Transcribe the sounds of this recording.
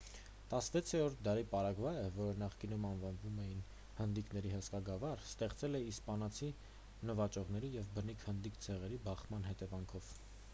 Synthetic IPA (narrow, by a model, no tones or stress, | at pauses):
t̪ɑsəvɛt͡sʰɛɾɔɾt̪̚ʰd̪ɑɾipɑɾɑɡvɑɛvɔɾənɑχkinumɑnvɑnvumɛjin | hənd̪iknɛɾiɦəskɑɡɑvɑɾst̪ɛχt͡sɛlɛispɑnɑt͡sʰi | nəvɑt͡ʃɔʁnɛɾijɛvbənikʰhənd̪ikt͡sʰɛʁɛɾibɑχmɑnɦɛt̪ɛvɑŋkʰɔv̥